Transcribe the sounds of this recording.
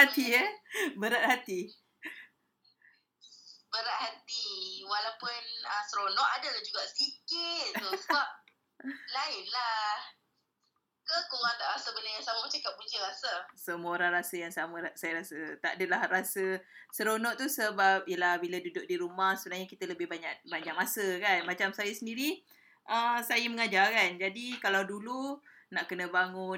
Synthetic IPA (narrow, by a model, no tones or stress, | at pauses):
at̪iəbəɾaʔ̪̚hat̪i | bəɾaʔ̪hat̪iwalawpʊnəsəɾonɔʔadalad͡ʒuɡaʔsikɪt̪ːusəbap̚ | laɪʔlah | kəkoŋaŋt̪aʔɾasəbənajaŋsamamat͡ʃamkaʔpuɲd͡ʒəɾasasəmuoɾaŋɾasəjaŋsaməasajəɾasət̪aadəlahɾasəsəɾonɔʔt̪usəbap̚jəlahbilədudʊk̚diɾumahsəbənahɲakit̪ələbɪhbaɲaʔ̚baɲd͡ʒaŋmasəkanmat͡ʃamsajəsəndiɾi | ʔəsajəməŋad͡ʒakand͡ʒadikalawdulu | naʔkənəbaŋʊn